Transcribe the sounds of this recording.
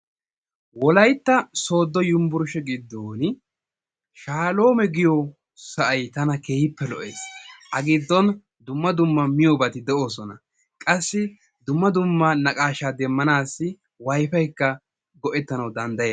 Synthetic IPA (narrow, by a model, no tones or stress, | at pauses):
wɔlɐjt̪ːɐsoːd̪ːɔjʊmbʊɾʊʃɛɡɪd̪ːoːnɪ | ʃaːlo̞ːmɛɡɪjɔ | sɐʔɐjt̪ɐnɐkeːhɪpːɛlɔʔe̞ːsʔɐɡɪd̪ːɔn | d̪ʊmːɐd̪ʊmːɐmɪjobɐt̪ɪd̪ɛʔo̞ːsɔnɐ̰ | kʼɐsːɪ | d̪ʊmːɐd̪ʊmːɐnɐkʼaːʃaːd̪ɛmːɐnaːsːɪ | wɐjfɐjkːɐ | ɡɔʔɛt̪ːɐnɐwd̪ɐnd̪ɐjeː